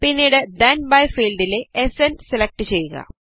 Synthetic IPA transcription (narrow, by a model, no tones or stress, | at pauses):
pinːiɽed̪ɐnbɐjfiːlɖileesenselek̚ʈɨt͡ɕe̞jːuɣɐ̰